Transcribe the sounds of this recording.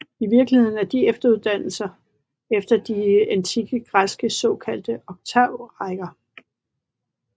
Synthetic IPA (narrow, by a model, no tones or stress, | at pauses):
iʋiɐɡ̥lihe̝ð̞ˠn̩æɐd̥iefd̥ɐuð̞ˠd̥æn̰l̩sɐ | efd̥ɐd̥iænt͡sʰiɡ̥əɡ̥ʁasɡ̥əsɒ̽kʰæl̰d̥əɒ̽ɡ̥̚t͡sʰɑʊ̰ʁaɡ̥ɐ